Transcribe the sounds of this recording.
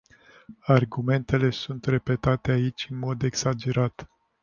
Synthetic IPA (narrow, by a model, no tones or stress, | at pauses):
arɡume̞nt̪e̞le̞sunt̪re̞pe̞t̪at̪eait͡ʃʲɨnmo̞d̪e̞ɡsad͡ʒe̞ɾat̪